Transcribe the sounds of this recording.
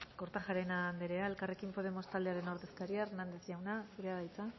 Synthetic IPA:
ko̞ɾt̪aʝaɾe̞nand̪e̞ɾeaelkare̞kimpo̞ð̞e̞mo̞st̪ald̪eaɾe̞no̞ɾðe̞skaɾiarnand̪e̞zʎawnasuɾeaðajt͡sa

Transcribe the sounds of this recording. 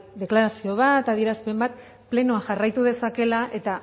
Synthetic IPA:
d̪e̞klaɾasio̞β̞at̪aðie̞ɾaspe̞mbat̪ | ple̞noaŋʝarajt̪uðe̞sake̞laʔe̞t̪a

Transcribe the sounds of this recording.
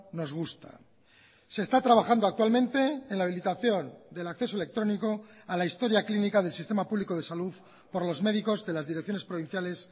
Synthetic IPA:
no̞zɣ̞ust̪a̰ | se̞ːst̪at̪ɾaβ̞axand̪oak̚t̪walmẽ̞nt̪e̞ːnlaβilit̪aθjo̞nd̪e̞lakθe̞so̞ele̞kt̪ɾo̞niko̞alaist̪o̞ɾjaklinikaðe̞lsist̪e̞mapuβliko̞ð̞e̞saluð | po̞ɾlo̞zme̞ðiko̞zðe̞lazðiɾek̚θjone̞spɾo̞β̞in̟θjale̞s

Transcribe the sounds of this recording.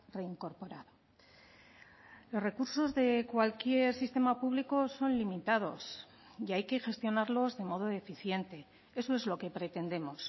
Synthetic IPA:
re̞iŋko̞ɾpo̞ɾaðo | lo̞sre̞kuɾso̞zðe̞kwalkje̞ɾsist̪e̞mapuβlikoso̞nlimit̪að̞o̞s | iajke̞xe̞st̪jo̞naɾlo̞zðe̞mo̞ð̞o̞e̞fiθje̞nt̪e̞ | e̞so̞e̞zlo̞ke̞pɾe̞t̪e̞nd̪e̞mo̞s

